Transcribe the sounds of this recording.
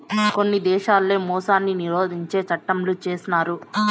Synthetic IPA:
ko̞nːid̪ɛːʃaːlːe̞ːmɔːsaːnːiniɾoːd̪ʱiɲt͡ʃe̞ːt͡ʃɐʈːɐmlut͡ʃe̞ːsinaːɾu

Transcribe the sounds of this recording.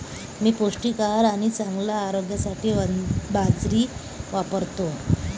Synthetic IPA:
miːpoʂʈikaɾaɽ̃it͡saŋɡlaːɾoɡjasaʈʰiːbad͡zɾiː | ʋapəɾt̪o

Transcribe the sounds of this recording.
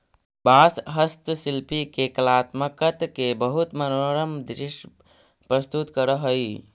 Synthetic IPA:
baːsɦəst̪sɪlpikekɐlaːt̪məkət̪kebəɦʊt̪mɐnoːɾəmd̪ɾɪʃ | pɾəst̪ut̪kəɾəɦoi

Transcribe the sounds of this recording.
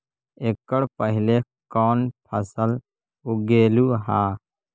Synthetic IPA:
ekːəɽpəɦɪle | kɔːnpʰəsəl | uɡeːluːɦaː

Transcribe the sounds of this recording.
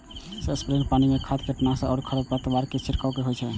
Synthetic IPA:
seəspɾenpanimekʰad̪keʈnasaɔɾkʰəɽəbpət̪baɾket͡ʃʰiɾkawkeɦojt͡ʃʰɛ

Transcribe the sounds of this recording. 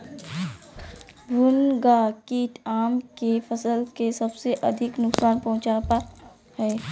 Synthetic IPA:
bʊnɡakit̪ʰaːmkefɐsəlkesɐbseʔɐd̪ʱɪknʊksaːnpɐɦʊ̃t͡ʃaːpa | hɛː

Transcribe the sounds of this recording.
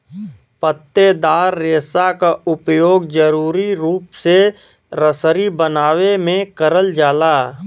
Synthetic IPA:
pət̪ːed̪aːɾːeːsakaʊpjoːɡd͡ʒəɾuːɾiɾuːpse | ɾəsəɾibənaːwemẽkəɾəld͡ʒaːlaː

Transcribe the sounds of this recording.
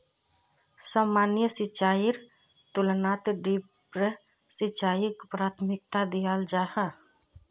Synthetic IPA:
saːmanjəsɪt͡ʃaːiɾ | t̪ʊlnaːt̪ɖipɾe | sit͡ʃaːjikpɾaːt̪ʰmɪk̚t̪ad̪ijald͡ʒahə

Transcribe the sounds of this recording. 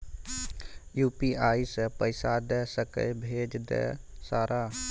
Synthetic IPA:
juːpiʔaːisepəɪsad̪ɛsəkə̰jbʱed͡ʒd̪ɛ̰saːɾʔa

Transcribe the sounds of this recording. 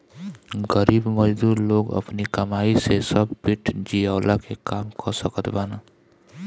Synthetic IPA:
ɡəɾiːbməd͡ʒd̪uːɾloːɡə̰pnikəmaːisesəbpiʈʰd͡ʒijaːlakekaːmkʰɔsəkət̪baːna

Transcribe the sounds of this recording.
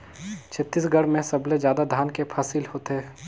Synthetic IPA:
t͡ʃʰɐt̪ːisɡʱɐɽmẽsɐbled͡ʒjaːd̪ad̪ʱaːnkepʰaːsɪlhoːt̪eː

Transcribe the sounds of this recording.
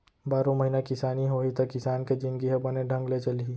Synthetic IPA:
baːɾõmɐɦinakɪsaːniɦoːit̪ɐkːɪsaːnked͡ʒɪ̃nɡiɦɛbɐneɖʱɐ̃ŋɡlet͡ʃɐli

